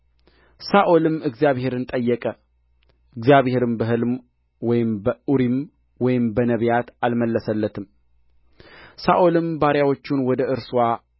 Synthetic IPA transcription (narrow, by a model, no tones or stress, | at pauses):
saʔo̞lɨmɨɡzjaβhe̞ɾɨnt̪ʼəjːɛkʼə | ɨɡzjaβhe̞ɾɨmbəɦɨlm | wɔjɪmbəuɾim | wɔjɪmbənəβjat̪alməlːəsəlːət̪ʰɨm | saʔolɨmbaɾjawo̞t͡ʃːunwɔd̪əʔɨɾswa